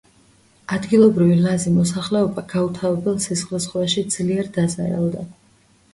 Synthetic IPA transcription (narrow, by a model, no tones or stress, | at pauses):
ad̪ɡilˠɔbɾivilazimɔsaχlɛɔbaɡaut̪ʰaɔbɛlˠsisχlɛsχaʃid̪z̥liɛɾd̪azaɾa̰lˠd̪a